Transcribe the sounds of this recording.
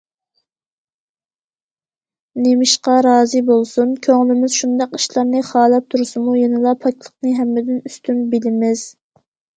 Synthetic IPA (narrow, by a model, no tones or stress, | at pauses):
nemɪʃqɑɾɑːzɨbolˠsunkʲʰøŋlɪmɪz̥ʃund̪ɑqi̥ʃlˠɑɾnɨχɑːlˠɑp̚t̪ʰuɾsɨmujenɨlˠɑpʰɑk̚ʲlˠəqnɨɦɛmːɪd̪ɪnyst̪ʰymbɪlɪmɪz̥